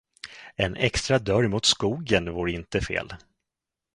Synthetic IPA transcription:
ɛnʔɛkst̪ɾad̪œɾmʊt̪skuːɡənvuːɾɪnt̪əfḛːl

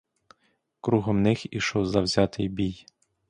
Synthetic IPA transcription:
kɾuɦɔmnɪxiʃɔwzɐwzʲɑt̪ɪjbʲij

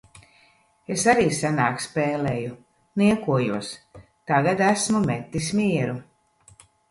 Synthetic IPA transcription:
esaɾiːsanaːkspeːleːju | niɛkuɔjuɔs | t̪aɡad̪æsmumet̪ːismiɛɾu

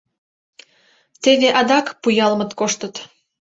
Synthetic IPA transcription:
t̪eβeʔɑd̪ɑkpujɑlmə̆t̪koʃt̪ət̪

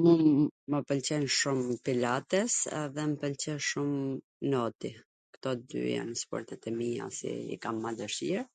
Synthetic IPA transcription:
mumːəpəlt͡ɕɛnʃumpilat̪ɛsɛðɛməpəlt͡ɕɛnʃum | nɔt̪i | kt̪ɔd̪y̰ja̰nspɔ̰ɾt̪ɛt̪ɛmia̰sḭḭkamːad̪əʃiɾ

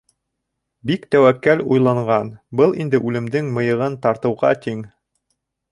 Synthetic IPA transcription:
bikt̪æwækːælujlˠɑɴɢɑnbɤlˠind̪ɘʔʉlɘ̆md̪ɘŋmɤ̆jɤ̆ʁɤnt̪ɑɾt̪ɤ̆wʁɑ̰t̪iŋ

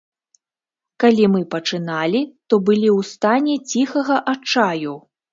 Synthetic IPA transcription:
kalʲimɨpɐt͡ʂɨnalʲit̪ɔbɨlʲiwst̪anʲɛt͡sʲixɐɣɐʔat͡ʂaju

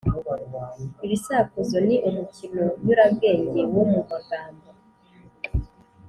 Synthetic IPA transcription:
iβisakuzo̞niʔumucinoɲuɾaβɡe̞ːɲɟe̞wumuɡaɡaːmbo

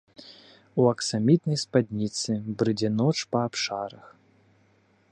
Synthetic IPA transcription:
uɐksamʲit̪nɐjspad̪ʲnʲit̪sɨbɾɨd͡zʲɪnɔt͡ʂpɐapʂaɾɐx

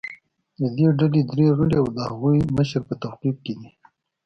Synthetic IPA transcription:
d̪əd̪eɖaled̪ɾeɣəɽiawd̪əhaɣujməʃɾpət̪awqib̚ked̪i

